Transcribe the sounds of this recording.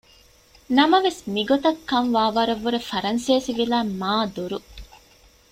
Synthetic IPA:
nɐmɐʋesmiɡot̪ɐkːɐnʋaːʋɐɾɐʋːuɾefɐɾɐnseːsiʋilaːmaːd̪uɾu

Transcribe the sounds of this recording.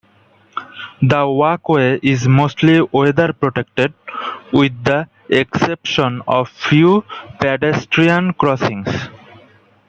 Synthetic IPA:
d̪əwakweʔizmoːsʈliod̪əɾpɾoʈek̚ʈeɖ̚wid̪̚ːə | eksepʃə̃nɔvfjupɛɖesʈɾiə̃nkɾɔsĩŋs

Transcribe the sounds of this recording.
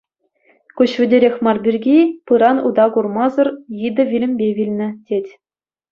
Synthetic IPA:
kʲuɕʋʲɘ̆dʲeɾʲexʲmɑrbʲirʲɡʲipɯɾɑnud̪ɑkurmɑzɤ̆rjid̪ɤ̆ʋʲilʲɘ̆mʲbʲeʋʲilʲnʲɘ̆tʲetʲ

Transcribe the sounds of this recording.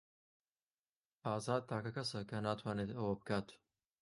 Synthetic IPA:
aːzaːd̪̚t̪ʰaːkɐkɐsɐkɐnaːt̪ʰwaːneːt̪ɐwɐbɨkaːt̪

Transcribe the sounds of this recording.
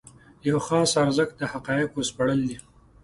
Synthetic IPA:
jawxɑsaɾzəkd̪əhaqɑjɪqospaɽəld̪i

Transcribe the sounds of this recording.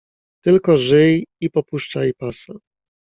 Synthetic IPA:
t̪ɘlkɔʐɘjipɔpuʂt͡ʂajipasa

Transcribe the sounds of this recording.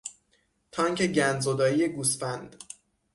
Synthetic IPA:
t̪ʰɒːŋcʰeɟænd̪zod̪ɒːjije̞ɡusfænd̪̥

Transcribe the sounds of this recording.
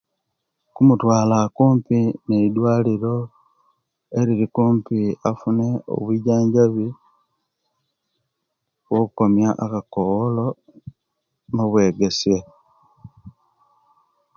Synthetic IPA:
kumutwaːlakuːmpineidwaːliɾo̞ | e̞ɾiɾikuːmpiafune̞o̰βwiɟaːɲɟaβi | wokuko̞mjaʔːkakowolo̞ | noβwe̞ːɡe̞se

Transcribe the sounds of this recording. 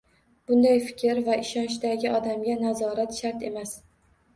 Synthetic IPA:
b̥ʊnd̪ajfɪ̥kʲɪɾvaɪʃɒnʃd̪aɡʲɪɒd̪amɡʲanazɒɾat̪ʃaɾt̪e̞mas

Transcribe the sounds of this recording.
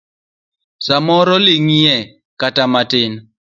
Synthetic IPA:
samɔɾɔliŋiɛ | katamatɪn

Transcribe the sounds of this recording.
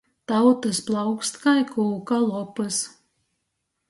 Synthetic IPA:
t̪awt̪ɨsplˠawkst̪kajkʰuːkalˠɔpɨs

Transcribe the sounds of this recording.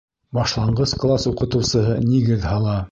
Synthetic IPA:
bɑʃlˠɑɴɢɤsklˠasuqɤ̆t̪ɤ̆wsɤ̆ɦɤniɡɘðhɑlˠɑ

